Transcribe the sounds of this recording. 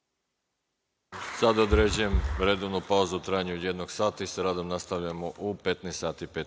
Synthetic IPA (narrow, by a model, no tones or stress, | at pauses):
sad̪aod̪ɾe̞d͡ʑuje̞mʋɾed̪oʋnupauzuut̪ɾaːjaɲuod̪je̞d̪noɡ̥saːt̪aisaɾaːd̪o̞mnast̪aʋʎamoʔupe̞t̪nest̪saːt̪ipet̪